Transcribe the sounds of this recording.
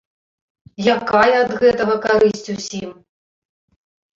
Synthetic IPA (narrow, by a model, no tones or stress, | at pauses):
jakajɛɐd̪ɣɛt̪ɐɣɐkaɾɨsʲt͡sʲusʲim